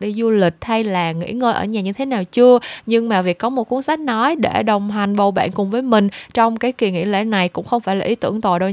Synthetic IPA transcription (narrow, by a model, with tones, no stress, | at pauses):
ɗi˧zu˧lï˨˩k̟̚ha˧jlaː˨˩ŋḭ˧˥ŋəː˧jʔəː˧˩ɲaː˨˩ɲɨ˧t̪ʰe˨˦naː˨˩wt͡ɕɨ˧əɲɨ˧ŋmaː˨˩vi˨˩əkːɔ˨˦mo˨˩t̚ku˨˦ənsa˦˥k̟̚nɔ˨˦jɗe˧˩ɗə˨˩wŋ͡mɦa˨˩ŋ̟ɓə˨˩wɓa̰ː˧˨nkʊ˨˩ŋ͡mvəː˨˦jmï˨˩ŋ̟t͡ɕɔ˧wŋ͡mkaː˨˦jki˨˩ŋḭ˧˥lḛ˧˥˩na˨˩jkʊ̰˧˥ŋ͡mxə˧wŋ͡mfaː˧˩jlaː˨˩i˨˦t̪ɨ˧˩əŋt̪o̰˧˨jɗə˧